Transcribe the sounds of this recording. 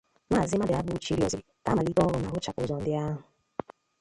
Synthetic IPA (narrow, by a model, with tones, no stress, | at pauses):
maː˦˨zɪ˦ma˦dɪ˨a˨bu˦t͡ʃi˦ɾi˦o̰˨zɪ̰˨ta˦ma˨li˦kɔ˦ɾʊ˨ma˨ʊ˦t͡ʃa˨kʊ̰˨zɔ˨n̩˦dɪ˦a˦ɦʊ˨